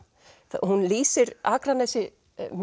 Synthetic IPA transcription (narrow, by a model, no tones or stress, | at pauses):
θhunliːsɪɾaːkɾanɛsɪ | m